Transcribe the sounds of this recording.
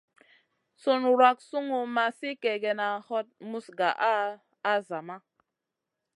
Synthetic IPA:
so˦nɾwa˦k̚su˦ŋu˨ma˨si˦kɛ˨ɡɛ˨na˨hɔ˦t̚mu˦sɡa˨ʔaː˦ | za˨ma˦

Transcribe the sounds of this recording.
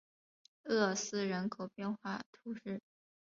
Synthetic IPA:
ɤ˥˩sɹ̩˥˩ɻə˧˥nkʰo˨˩ʊpjɛ˥˧nxwa˥˩t̪ʰu˧˥ʂɻ̩˥˩

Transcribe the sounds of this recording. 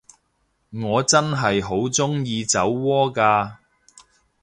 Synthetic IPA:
ŋɔː˨˧t͡sɐ˥nɦɐ˨jɦo˨˥wt͡sʊ˥ŋjiː˧t͡sɐ˨˥wːɔː˥kaː˧

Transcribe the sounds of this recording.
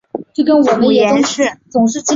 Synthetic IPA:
t͡ɕo˥˩kə˥nwɔ˨˩mə˧˥njɛ˨˩˨ʊ˥ɕɛ˥˩t͡sʊ˨˩ŋʂ̬ɻ̩˥˩t͡ɕi˥

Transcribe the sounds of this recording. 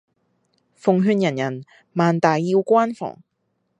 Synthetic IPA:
fʊ˨ŋɦyː˧njɐ˨˩njɐ˨˩n | maː˨nt̪aː˨jːiː˧wkʷaː˥nfɔ̰ː˨˩ŋ

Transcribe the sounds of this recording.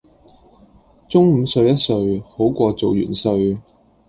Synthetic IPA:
t͡sʊ˥ŋm̩˨˧sɵ˧ɥjɐ˥t̚sɵ˧ɥho˨˥wkʷɔː˧t͡so˨wjy̰˨˩nsɵ˧ɥ

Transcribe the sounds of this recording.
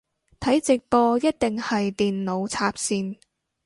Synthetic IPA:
t̪ʰɐ˨˥jt͡sɪ˨k̚pɔː˧jɐ˥t̚t̪ɪ˨ŋhɐ˨jt̪iː˨nlo˨˧wt͡sʰaː˧p̚siː˧n

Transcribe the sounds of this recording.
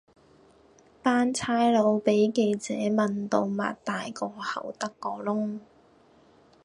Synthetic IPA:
paː˥nt͡sʰaː˥jlo˨˧wpe˨˥jke˧jt͡sɛː˨˥mɐ˨nt̪o˧wma̰ː˨t̚t̪aː˨jkɔː˧hɐ̰˨˩wt̪ɐ˥kːɔː˧lʊ˥ŋ

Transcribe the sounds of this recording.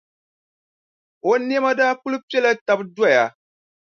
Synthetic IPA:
o˨˦ni˦ɛ˦ma˦daː˦ku˦lu˦pi˦ɛ˦la˦ta˦bdwa˦˨ja˨

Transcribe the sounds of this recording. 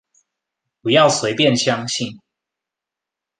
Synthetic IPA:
pu˨˩jɑ˥˨ʊswe˨˦ɪpjɛ˥˨nɕjɑ˦ŋɕi˥˨n

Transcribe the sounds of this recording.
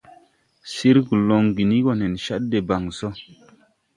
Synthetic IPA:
si˦ɾɡu˨lo˨ŋɡi˨ni˦ɡo˨ne˨nʃa˦t̚de˨ba˨ŋso˦

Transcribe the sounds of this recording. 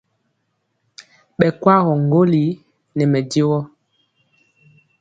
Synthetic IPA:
ɓɛ˨kwa˦ɣɔ˨ŋ˨ɡo˦li˨˦ | nɛ˨mɛ˨de˦wɔ˦

